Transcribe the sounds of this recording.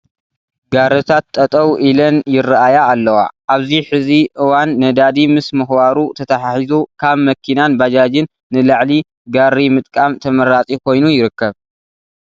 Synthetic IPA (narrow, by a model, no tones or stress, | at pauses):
ɡaɾɨt̪ʰat̪ʼːɐt̪ʼɐwʔilɐnjɪrːaʔajaːlːɐwa̰ʔaβziħɨziʔɨwanːɐd̪ad̪imɨsmɨxbaɾut̪ʰɐt̪ʰaħaħizukʰaβmɐkʰinanbad͡ʒad͡ʒɪnːɨlaʕli | ɡaɾːimɨt̪ʼkʼamt̪ʰɐmɐɾat͡sʼikʰo̞jnujɪɾɨkːɐβ